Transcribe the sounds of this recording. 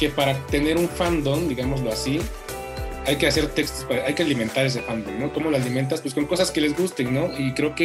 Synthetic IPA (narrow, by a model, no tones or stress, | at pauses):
ke̞paɾat̪e̞ne̞ɾuɱfand̪ond̪iɣamo̞zlo̞asi | ajke̞ase̞ɾt̪e̞kst̪ospaɾaʔajke̞alimẽ̞nt̪aɾe̞s̬efand̪onno̞ko̞mo̞loaliment̪̬aspwesko̞ŋko̞saske̞le̞zɣust̪e̞ŋno̞ikɾe̞oke